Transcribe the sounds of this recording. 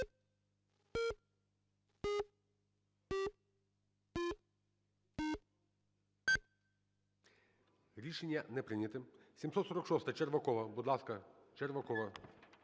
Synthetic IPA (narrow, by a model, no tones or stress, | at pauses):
ɾʲiʃenʲːɐnɛpɾɪnʲɐt̪ɪsʲimsɔt̪sɔɾɔkʃɔst̪ɐt͡ʃerʋɐkɔʋɐbud̪lˠɑskɐt͡ʃerʋɐkɔʋɐ